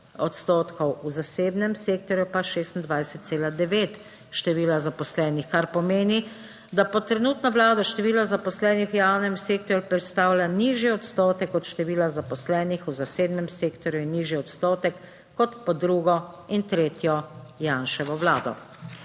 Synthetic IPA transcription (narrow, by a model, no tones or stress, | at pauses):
ɔt̪st̪oːt̪kʰɔwuzaseːbnɛmseːk̚t̪ɔɾjupaʃeːst̪n̩d̪ʋajsɛt̪t̪seːlad̪ɛʋeːt̪ | ʃt̪ɛʋiːlazapɔslɛːnixkaɾpɔmeːni | d̪apɔt̪ːɾɛnuːt̪naʋlaːd̪aʃt̪ɛʋiːlɔzapɔslɛːnixjaːwnɛmseːk̚t̪ɔɾjupɾɛt̪st̪aːwlʲaniːʒjiɔt̪st̪oːt̪ɛkɔt̪ʃt̪ɛʋiːlazapɔslɛːnixuzaseːbnɛmseːkt̪ɔɾjuinːiʒjiɔt̪st̪oːt̪ɛkː | ɔt̪pɔd̪ɾuːɡɔint̪ɾeːt̪jɔjanʃɛʋɔʋlaːd̪ɔ̰